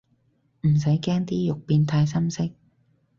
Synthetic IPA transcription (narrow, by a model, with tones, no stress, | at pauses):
m̩˨˩s̬ɐ˨˥jkɛː˥ŋt̪iː˥jʊ˨k̚piː˧nt̪ʰaː˧jsɐ˥msɪ˥k̚